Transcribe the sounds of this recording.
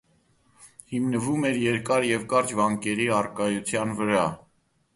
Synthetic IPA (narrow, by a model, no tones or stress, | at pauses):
himnəvumɛɾjɛɾkɑɾjɛvkɑɾt͡ʃvɑŋkɛɾiɑrkɑjut͡sʰjɑnvəɾɑ